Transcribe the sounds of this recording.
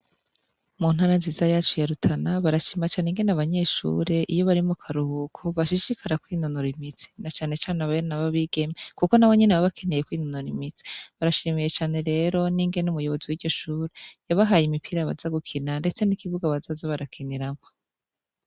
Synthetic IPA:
mun̥haɾanziːzajaːt͡ʃujaɾutʰanaβaɾaʃiːmat͡ʃaːneŋɡe̞naβaɲe̞ːʃṵːɾe̞ʔijo̞βaɾimukʰaɾuhukʰoβaʃiʃikʰaɾakwiːnonuɾimit͡si̥nat͡ʃaːne̞t͡ʃaːneaβaeɾonaβaβiɡe̞mekuko̞nawe̞ɲenewaβakʰenejekwiːnonuɾimit͡si̥βaɾaʃiːmije̞t͡ʃaːne̞ɾe̞ːɾo̞niːŋɡe̞numujo̞βo̞ziwiːɟ̥o̞ʃuːɾejaβaɦaːjimipiɾaβa̰zaɡukʰinande̞t͡se̞nikiβuɡaβazazoβaɾakʰiniɾamo

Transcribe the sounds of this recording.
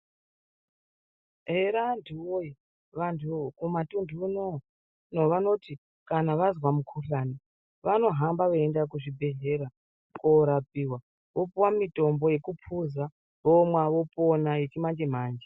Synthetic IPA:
ɦeɾantʰuwoji | ʋantʰukumatundʱuno | noʋano̞ti | kanaʋazwamukʰuɬaːni | ʋano̞ɦambaʋoendak̬uʐibʱe̞ɦe̞ɾa | koɾapiwa | ʋo̞puwamitʼo̞mbo̞je̞kupʰuza | ʋomwaʋo̞ponajet͡ʃimand͡ʒe̞m̤aːnd͡ʒe

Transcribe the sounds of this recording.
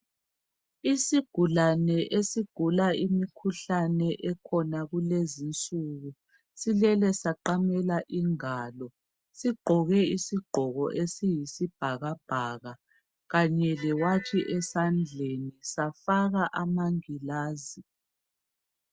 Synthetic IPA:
isiɡ̥ʱulanɛʔesiɡ̥ʱulaimikʰuɬanɛʔɛkʰɔnaɣulezint͡sʼuːɣu | silɛlɛsaǃamɛlaʔiŋaːlɔ | siɡ͡ǃʱɔɣɛisiɡ͡ǃʱɔɣɔ̰ʔesijisib̥ʱaɣab̥ʱaːɣa | ɣaɲɛlɛwatʰiʔɛsand͡ɮʱenisafaɣaʔamaŋilaːzi

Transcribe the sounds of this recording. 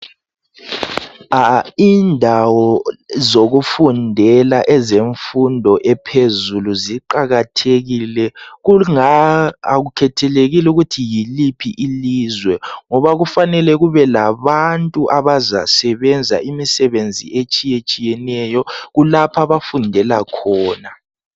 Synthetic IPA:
aindʱawɔzoɣufundʱɛlaʔɛzeɱfundʱɔʔɛpʰezuluziǃaɣatʰeɣilɛɣuŋaa̰ɣukʰɛtʰɛleɣiluɣutʰijilipʰiʔiliːzwɛŋɔβaɣufanɛlɛɣuβɛlaβantʼuʔaβaza̰sɛβɛnd͡zʱa̰ʔimisɛβend͡zʱḭet͡ʃʼijet͡ʃʼijɛnɛjɔɣulapʰaβafundʱɛlakʰɔːna

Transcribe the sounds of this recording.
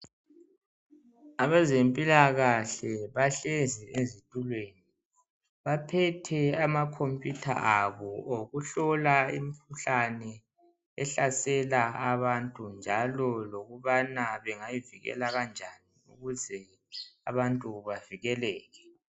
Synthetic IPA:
aβazempʼilaɣaɬɛβaɬeziʔezitʼulweni | βapʰɛtʰɛamakʰompʼjutʰa̰ʔaβɔoɣuɬɔlaḭmikʰuɬanɛ | ɛɬasɛlaaβantʼund͡ʒʱalɔloɣuβanaβɛŋajiviɣɛ̰laɣand͡ʒʱaniṵɣuzɛ | aβantʼuβaviɣɛlɛːɣɛ

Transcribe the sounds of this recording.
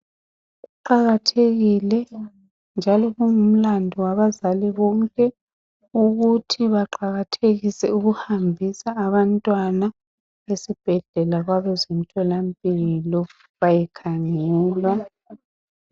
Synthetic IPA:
ɣuǃaɣatʰeɣilɛ | nd͡ʒʱalɔɣuŋum̩landʱɔwaβazaliβɔŋkʼɛ | uɣutʰiβaǃaɣatʰeɣisɛuɣuhambʱisaːβantʼwana | βesib̥ʱɛɮɛlaɣwaβɛzom̩tʰɔlampʼilɔ | βajɛkʰaŋɛːlwa

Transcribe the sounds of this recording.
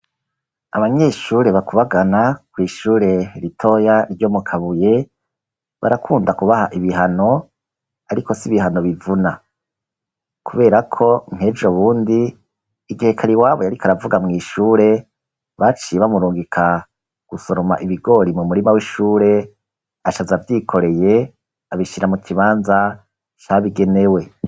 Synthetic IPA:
aβaɲe̞ʃuːɾe̞βakuβaɡanakwiːʃuːɾe̞ɾitʰo̞janiɾɟo̞mukʰaβuje̞ | βa̰ɾakʰuːndakuβahaʔiβiɦano̞ | aɾiko̞siβihano̞βivuna | kuβe̞ːɾakʰo̞ŋ̥he̞ːd͡ʒoβuːndiː | ɡihe̞kʰaɾiwaːβojaɾikaɾavuɡamŋiːʃuːɾe̞ | βat͡ʃijeβamuɾuːŋɡikʰa | ɡ̥uso̞ɾo̞maʔiβiɡo̞ːɾimumuɾimawiʃuːɾe̞ | aʃazavjiːkʰo̞ɾe̞je̞ | aβiʃiɾamutʰiβaːnza | t͡ʃaβiɡe̞ne̞we̞

